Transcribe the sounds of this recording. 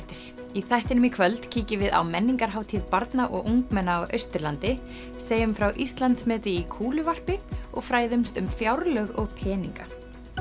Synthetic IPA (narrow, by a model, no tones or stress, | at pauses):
t̪ɪɾ̥ | iθajht̪ɪnʏmikʰvœlt̪cʰiːcɪvɪða̰wmɛnːiŋkaɾ̥ɦaːwt̪ʰiðpaɾt̪naʔɔ̰ɣʔuŋkmɛnːaːwʔœ̰ɥst̪ɪɾlant̪ɪ | seːjʏmfɾawʔist̪lant̪smɛːt̪ɪikʰuːlʏvar̥pɪɔɣfɾaːjðʏmst̪ʏmfjawɾlœɣɔɣpʰɛːniŋka